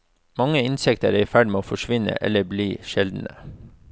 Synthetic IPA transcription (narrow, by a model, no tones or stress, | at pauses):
mɑŋəɪnsɛkt̪əɾæfæɖɪmeːoːfɔʃʋɪnə̰ʔɛ̰lːəbliːʃɛld̪n̩ə